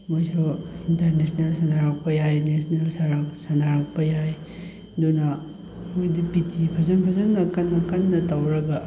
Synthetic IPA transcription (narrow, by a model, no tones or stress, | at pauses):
mojsointɐɾnesnelsɐndaɾak̚pɐjajnesnelsaɾaksɐndaɾak̚pɐjaj | dunɐ | mojdipitʰipʰɐzɐnpʰɐzɐmnɐkɐnːɐkɐnːɐtawɾɐɡɐ